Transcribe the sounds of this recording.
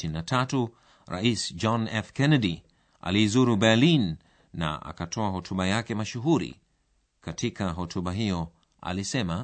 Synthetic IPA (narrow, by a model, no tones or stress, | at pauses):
innatʰatu | ɾa̰isd͡ʒɔnɛfkɛnɛɗi | a̰liːzuɾubɛlinː | a̰ʔa̰katʰɔahɔtʰuɓajakɛmaʃuɦuɾḭ | katʰikaɦɔtʰuɓaɦijɔ | a̰lisɛma